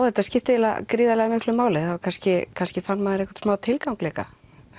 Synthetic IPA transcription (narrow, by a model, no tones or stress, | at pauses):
whɛht̪ascɪft̪ɪɛla̰kɾiːðalɛɣamɪhklʏmaːwlɪθavaɾkʰanscɪkʰanscɪfanːmaðɪɾɛhkvḁɾt̪smaːwt̪ʰɪlkawŋklɛːka̰